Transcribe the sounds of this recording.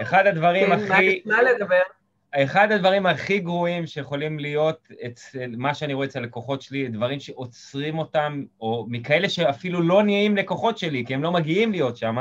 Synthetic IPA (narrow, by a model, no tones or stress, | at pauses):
eχad̪ad̪vaʁimaimaled̪abeʁ | eχad̪ad̪vaʁimaχiɡʁoimʃejeχo̞limlijo̞t̪et͡smaʃeaniɣo̞et͡seleko̞χo̞tʃelid̪vaʁimʃe̞ʔo̞t͡sʁimo̞tamo̞ːikae̞le̞ʃe̞afilulo̞nieimle̞ko̞χo̞tʃe̞likiemlomaɡiimlijo̞tʃama